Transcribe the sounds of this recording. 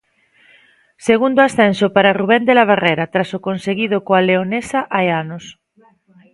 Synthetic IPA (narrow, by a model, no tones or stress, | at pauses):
seɣund̪oasθɛ̃nsopaɾaruβ̞end̪elaβ̞areɾat̪ɾasokonseɣiðokoaleonesaʔaeanos